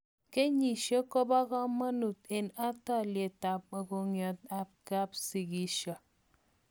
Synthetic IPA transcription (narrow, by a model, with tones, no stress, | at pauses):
ke˦ɲi˨ʃo˦ko˦ba˦ɣɔ˦ma˦nu˨te˨na˦ta˦˨lje˨ta˨p̚o˨ko˨ŋjo˨t̚a˦p̚ka˦psi˨ki˦ʃɔ˨